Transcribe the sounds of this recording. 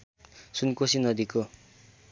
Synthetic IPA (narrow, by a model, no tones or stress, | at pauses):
sunkosinʌd̪iko